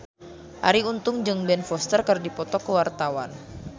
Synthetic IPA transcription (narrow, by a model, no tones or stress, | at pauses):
ʔa̰ɾiunt̪ʊŋd͡ʒɨŋbɛnfɔst̪ərkərdipɔt̪ɔkəwart̪awan